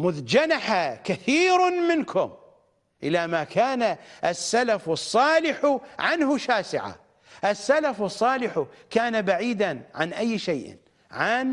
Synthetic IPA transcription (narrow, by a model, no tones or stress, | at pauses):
mʊðd͡ʒanaħakaθiːɾmɪnkʰʊm | ʔɪlamakʰaːnaʔasːalafɑsˤːɑːlɪħʕanhʊʃaːsɪ̰ʕa̰ | ʔasːalafɑsˤːɑːlɪħʊkaːnabaʕiːd̪anʕanʔajːʃajʔ | ʕan